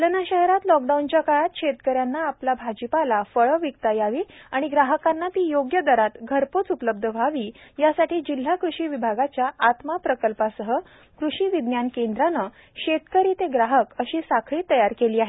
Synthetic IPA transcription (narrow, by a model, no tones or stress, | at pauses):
lənaɕəɦeɾat̪lɔk̚ɖaunt͡ɕjakaɭat̪ɕet̪kəɾjanːaːplabʱad͡ʑipalafəɭəʋikk̪ajaʋiːaɽ̃iɡɾaɦəkanːat̪iːjoɡjəd̪əɾat̪ɡʱəɾpot͡supələb̚d̪ʱəʋʱaʋiːjasaʈiːd͡ʑil̤ːakɾuɕiːʋibʱaɡat͡ɕjaat̪mapɾəkəlpasəɦə | kɾuɕiːʋid̪njankend̪ɾanə | ɕet̪kəɾiːt̪eɡɾaɦəkəɕiːsakʰɭiːt̪əjaɾkeliːaɦe